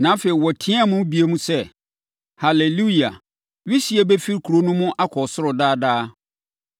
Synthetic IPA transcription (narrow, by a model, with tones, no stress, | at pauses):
nã˨˦fe˨i˨wɔ˨tʰĩ˦a˦˨mʊ̃˦bi˨e˦mũ˦sɛ˦˨ | ha˨le˨lu˦i˨a˨ | ɥi˦si˨e˦bɛ˦fi˦ɾkʰu˨ɾo˦nʊ̃˦mʊ̃˦ʔa˦kʰɔ˨sʊ˦ɾʊ˨daː˦daː˦